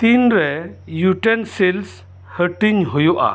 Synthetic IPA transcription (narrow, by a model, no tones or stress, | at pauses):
t̪inɾɛjuʈensels | həʈiɲɦojɔʔa̰